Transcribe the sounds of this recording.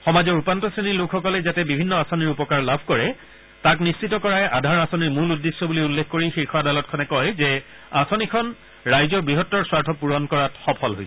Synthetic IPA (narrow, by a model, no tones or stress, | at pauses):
xɔmazɔɹupantɔsenilokʰxɔkɔlɛzatɛbibʱinːɔasoniɹupɔkaɹlabʱkɔɹɛ | taknistitɔkɔɹajʔadʱaɹasoniɹmuludːesːɔbuliulːekʰkoɹixekʰɔadalɔt̚kʰɔnɛkɔjzɛ | asonikʰɔn | ɹajzɔbɹiɦɔtːɔɹswaɹtʰɔpuɹɔnkɔɹatxɔpʰɔlɦo̰jsɛ